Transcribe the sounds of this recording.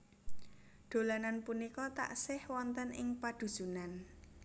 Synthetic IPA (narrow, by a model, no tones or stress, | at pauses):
ɖ̪̥o̤lananpunikɔt̪a̰ʔsɪhwɔnt̪ənɪŋpad̪̥ṳ̥z̥unan